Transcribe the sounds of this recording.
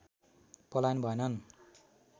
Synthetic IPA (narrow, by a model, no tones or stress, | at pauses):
pʌlajnbʱʌenʌn